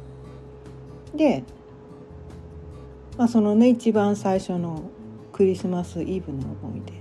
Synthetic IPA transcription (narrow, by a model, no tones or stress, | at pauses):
d̪e̞ | maːso̞no̞ne̞it͡ɕibãɰ̃saiɕo̞no̞ | kɯ̟ɾʲisɨmasɨʔiːbɯ̟̃nːoo̰bõ̰id̪e